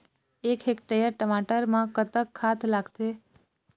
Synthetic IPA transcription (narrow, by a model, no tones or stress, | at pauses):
ekʰekʈejəɾʈəmaʈəɾmãkət̪əkʰːat̪ʰlaɡt̪e